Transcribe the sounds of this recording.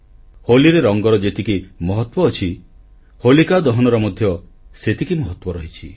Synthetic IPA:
holiɾeɾɔŋɡɔɾɔd͡ʒet̪ikimɔɦɔt̪wɔːt͡ʃʰi | holikad̪ɔɦɔnɔɾɔmɔd̪ʱjɔ | set̪ikimɔɦɔt̪wɔɾɔɦit͡ʃʰi

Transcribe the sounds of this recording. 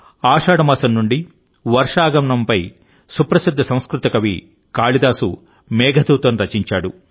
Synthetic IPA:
aːʂaːɽɐmaːsɐnːuɳɖi | ʋɐɾʂaːɡɐmɳɐmpɐj | supɾɐsid̪ʱːɐsɐ̃w̃skɾut̪ɐkɐʋḭ | kaːɭid̪aːsṵ | mɛːɡʱɐd̪uːt̪ɐnɾɐt͡ʃiɲt͡ʃaːɽu

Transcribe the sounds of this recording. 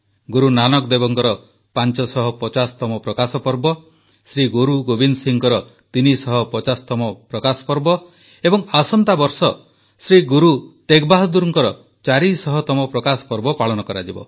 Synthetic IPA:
ɡuɾunanɔkd̪ebɔŋkɔɾɔ | pant͡ʃɔsɔɦɔpɔt͡ʃasɔ̥t̪ɔmɔpɾɔkasɔpɔɾbɔ | sɾiɡuɾuɡobinsiŋkɔɾɔ | t̪inisɔɦɔpɔt͡ʃasɔ̥t̪ɔmɔpɾɔkasɔ̥pɔɾbɔ | ebɔŋasɔnt̪abɔɾsɔ | sɾiɡuɾut̪ekbaɦɔd̪uɾɔŋkɔɾɔ | t͡ʃaɾisɔɦɔt̪ɔmɔpɾɔkasɔ̥pɔɾbɔpaɭɔnɔkɔɾad͡ʒibɔ̰

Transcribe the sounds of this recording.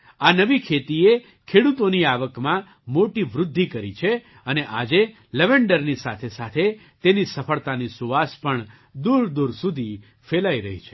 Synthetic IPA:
anəʋikʰet̪ie | kʰeɽut̪oniaʋəkmã | moʈiʋɾʊd̪ʱːikəɾit͡ʃʰe | əneʔad͡ʒe | ləʋeɳɖəɾnisat̪ʰesat̪ʰe | t̪enisəfʰəɭt̪anisuʋaspəɳ | d̪uɾd̪uɾsud̪ʱi | felaiɾəɦit͡ʃʰe̥

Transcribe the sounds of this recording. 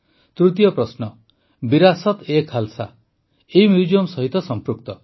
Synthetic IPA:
t̪ɾut̪ijɔpɾɔsnɔ | biɾasɔt̪ekʰalsa̰ | eimjud͡ʒijɔmsɔɦit̪ɔsɔmpɾuk̚t̪ɔ

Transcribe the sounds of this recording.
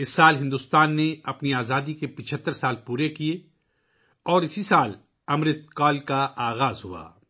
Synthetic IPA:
ɪsːaːlɦɪ̃nd̪ʊst̪aːnːeɐpniaːzaːd̪ikepɪt͡ʃʰət̪ːəɾsaːlpuːɾekie | ɔːɾɪsisaːl | ɐmɾɪt̪kaːlkaʔaːɣaːzɦṵa̰ː

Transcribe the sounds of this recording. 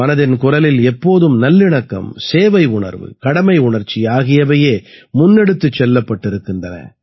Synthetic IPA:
mɐnɐðɪnkʊrɐlɪlɛpːoːðɯmnɐlːɪɳɐkːɐ̰mseːʋɐɪʊɳɐ̰ɾʋɯ̰kɐɽɐmɐɪʊɳɐɾt͡ʃːiaːɣɪjɐʋɐjeːmʊnːɛɽɯt̪ːɯt͡ʃːɛlːɐpːɐʈːɪɾɯkːɪndrɐnɐ̰

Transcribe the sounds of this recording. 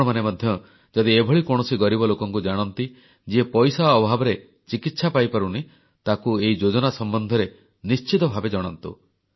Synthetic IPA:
ɔmanemɔd̪ʱjɔ | d͡ʒɔd̪iebʱɔɭikɔɽ̃ɔsiɡɔɾibɔlokɔŋkud͡ʒaɽ̃ɔnt̪i | d͡ʒiepɔjsaɔbʱabɔɾe | t͡ʃikit̪sapajpaɾuni | t̪akueid͡ʒod͡ʒɔnasɔmbɔnd̪ʱɔɾe | nist͡ʃit̪ɔbʱabed͡ʒɔɽ̃ɔnt̪u

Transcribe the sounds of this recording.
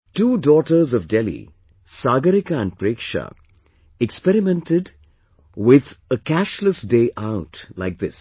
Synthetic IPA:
tuːdɔːʈəɾzɔvdɛlḭ | saːɡəɾɪkaæ̃n̚pɾeːkʃə̰ | ɛkspɛɾɪmɛ̃ntɪd | wɪðəkæʃləsdeːʔaʊtlaɪk̚ðɪs

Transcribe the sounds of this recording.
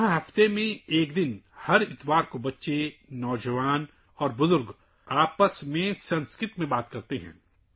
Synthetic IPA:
ɦãɦɐft̪emẽeːkd̪ɪnhɐɾɪt̪ʋaːɾkobɐtːʃenɔːd͡ʒəʋaːn | ɔːɾbʊzʊɾɡ | aːpəsmẽsɐ̃nskɾɪt̪mẽbaːt̪kɐɾt̪eɦɛ̰̃ː

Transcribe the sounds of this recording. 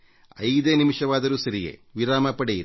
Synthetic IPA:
ɐ̰jd̪eːnimiʂɐʋaːd̪ɐɾusɐɾijḛːʋiɾaːmɐpːɐɽeji

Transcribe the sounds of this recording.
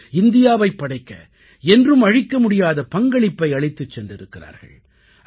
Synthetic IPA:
ɪnd̪ɪjaːʋɐɪpːɐɽɐɪkːɐ̰ | ɛndrɯmɐɻɪkːɐmʊɽɪjaːðɐpɐŋɡɐɭɪpːɐɪɐɭɪt̪ːɯt͡ʃːɛndɪɾɯkːɪra̰ːɾɣɐ̰ɭ

